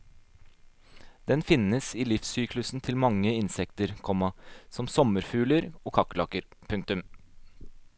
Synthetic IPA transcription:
d̪̥ɛnfɪnəsiːlɪfsyːklʉsn̩t̪ʰɪlmɑŋːəɪnsɛkt̪əɾkʰɔmɑsɔmsɔməɾfʉːləɾoːkʰɑkːlɑːkəɾpʰʉŋk̚t̪ʉm

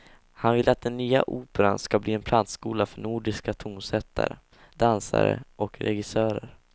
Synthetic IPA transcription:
hanvɪlːat̪̚d̪ɛnːyːa̰ʔuːpɛɾanskabliːɛnpʰlant̪skuːlafœɳuːɖɪskat̪ʰuːmsɛt̪ʰːa̰ɾə | d̪ansa̰ɾə̰ʔɔkɾɛɡɪsœːɾəɾ

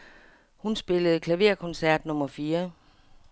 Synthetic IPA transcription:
hunsb̥e̝ləð̩ˠkʰlæʋe̝ɐ̰kʰɔ̽nsæɐ̰d̥nɔ̽mɐfiːɐ

